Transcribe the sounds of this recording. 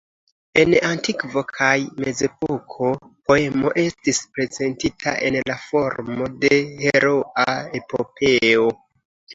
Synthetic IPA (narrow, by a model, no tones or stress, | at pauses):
e̞nantikvo̞kʰajme̞ze̞po̞kʰo̞po̞e̞mo̞ʔe̞stispɾe̞ze̞ntitʰa̰ʔe̞nlafo̞ɾmo̞de̞he̞ɾoae̞pope̞o